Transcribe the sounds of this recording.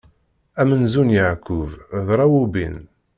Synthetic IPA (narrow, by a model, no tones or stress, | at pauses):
æmənzunjəʕkːuvðˤɾˤɑwubin